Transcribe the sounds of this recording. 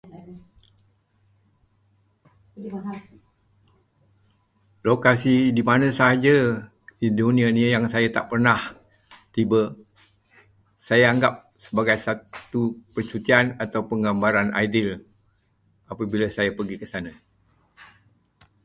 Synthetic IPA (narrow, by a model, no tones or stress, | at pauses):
lokasidimanãsaɦad͡ʒa | idonianijaŋsajat̪a̰ʔpərnah | t̪iba | sajaaŋɡap̚ | səbaɡajsatt̪upərt͡ʃut̪ianat̪awpəŋɡambaɾana̰jdɪl | apabilasajapərɡikəsana